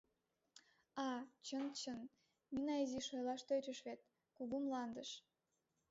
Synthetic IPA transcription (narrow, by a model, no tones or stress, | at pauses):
ɑt͡ɕənt͡ɕən | minɑiziʃojlɑʃt̪øt͡ɕəʃβet̪̚ | kuɣumlɑnd̪əʃ